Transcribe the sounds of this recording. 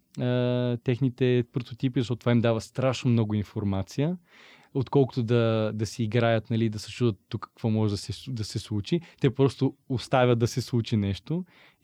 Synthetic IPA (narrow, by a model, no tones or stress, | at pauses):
ət̪ɛxnit̪ɛpɾot̪ot̪ipizɐʃɔt̪̚ːt̪ːvaimd̪avəst̪ɾaʃnomnɔɡʊinfoɾmat̪sijə | ot̪kɔlˠkʊ̥t̪ʊd̪ɐd̪ɐsɛiɡɾajət̪nɐlid̪ɐsɛ̥t͡ʃud̪ət̪ːukːɐ̥kvɔmɔʒɛd̪ɐsɛd̪ɐsɛslˠut͡ʃit̪ɛpɾɔst̪oost̪avʲəd̪d̪ɐsɛslˠut͡ʃinɛʃt̪o